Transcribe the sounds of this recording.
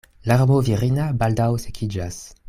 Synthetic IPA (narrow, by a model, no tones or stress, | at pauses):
laʁmoviʁinabaldawsekʰid͡ʒas